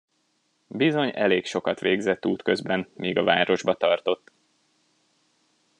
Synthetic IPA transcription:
bizo̞ɲɛ̰leːkʃo̞kɒt̪ʋeːɡzɛt̪ːuːt̪kø̞zbɛnmiːɡɒvaːɾo̞ʒbɒt̪ɒrt̪o̞t̪ː

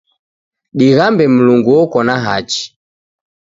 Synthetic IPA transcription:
ɗiɣambɛm̩luŋɡuɔkɔnaɦat͡ʃi̥

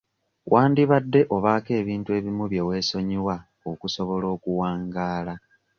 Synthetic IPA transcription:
wʔaːndiβadːe̞ʔo̞βaːke̞ːβiːntue̞ːβimuβje̞we̞ːso̞ɲiwa | okuso̞βo̞lo̞ːkuwaːŋɡaːla

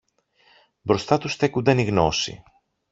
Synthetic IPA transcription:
bɾo̞st̪ɐt̪usθe̞kund̪ɐniɣno̞sḭ

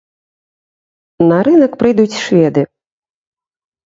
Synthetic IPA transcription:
nɐɾɨnɐkpɾɨjd̪ut͡sʲʂvʲɛd̪ɨ

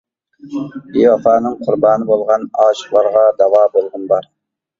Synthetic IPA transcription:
iwɑfɑːnɨŋqʰʊɾbɑːnɪbolˠʁɑnɑːʃə̥χlˠɑɾʁɑd̪ɑwɑːbolˠʁənbɑɾ

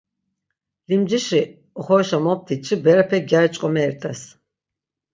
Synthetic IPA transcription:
limd͡ʒiʃi | ɔχɔʃamɔp̚t̪ʰit͡ʃʰibɛɾapʰɛɡjaɾit͡ʃʼqʼɔmɛːɾt̪ʼas

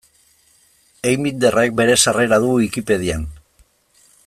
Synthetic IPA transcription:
ejmind̪e̞rek̚be̞ɾe̞sare̞ɾaðuɣuikipe̞ð̞ian

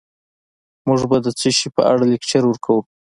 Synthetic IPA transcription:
muʐbad̪ət͡səʃipə̰ʔaɽalekt͡ʃaɾwəɾkʰawu

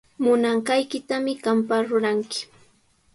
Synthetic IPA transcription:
mʊnaɴɢɑjkɪt̪amɪɢampaɾʊɾaŋkɪ̥

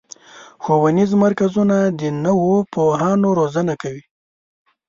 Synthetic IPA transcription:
xowanizmaɾkazunad̪ənəwopoɦɑnoɾozənakawi

